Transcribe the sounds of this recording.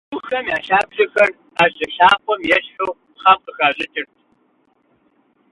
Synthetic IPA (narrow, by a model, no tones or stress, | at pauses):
ʊxɐmjaːɬaːbʒɐxɐr | aːɕɨɬaːqʷʼɔmjɛɬħʊː | χɑːmqəxaːʑʼɨtʰʼɨrtʰ